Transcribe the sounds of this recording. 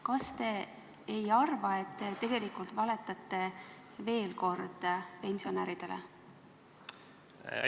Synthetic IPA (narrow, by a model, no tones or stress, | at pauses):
kɑst̪e̞ː | jɑrvɑe̞t̪ːet̪e̞ɡ̥e̞likˑult̪vɑle̞t̪ːˑɑt̪ːe̞ | ve̞ːlko̞rd̪̥pe̞nʲsio̞næːɾid̪̥e̞lḛ